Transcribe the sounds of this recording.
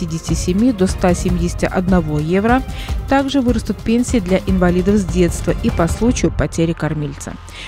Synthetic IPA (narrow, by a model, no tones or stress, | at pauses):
idʲɪsʲtʲɪsʲɪmʲid̪o̞st̪asʲɪmʲidʲɪsʲɪ̥tʲɪʔɐd̪nɐvo̞jevɾət̪aɡʐɨvɨɾəst̪ʊt̪̚pʲenʲsʲɪːd̪lʲaʔɪnvɐlʲid̪əfzʲdʲe̞t̪st̪vəʔipɐslˠut͡ɕɪjʊpɐtʲeɾʲɪkɐrmʲelʲt̪sə̰